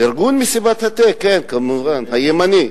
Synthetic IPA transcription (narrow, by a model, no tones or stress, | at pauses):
eɾɡunmisibat̪hat̪ekenkəmɨʁanhajemani